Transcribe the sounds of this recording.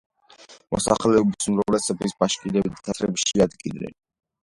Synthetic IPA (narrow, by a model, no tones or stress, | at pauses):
mɔ̰sa̰χlɛɔbisumɾavlɛsɛbisbaʃkʼinɛbit̪t̪ʰat̪ʰɾɛbʃiad̪ɡinnɛ̰n